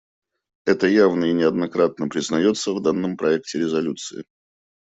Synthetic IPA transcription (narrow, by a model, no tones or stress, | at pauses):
ɛt̪əjavnəɪnʲɪɐd̪nɐkɾat̪̚nəpɾʲɪznɐjo̞t̪səvd̪anːəmpɾɐɛk̚tʲɪɾʲɪzɐlʲut̪sɨɪ̰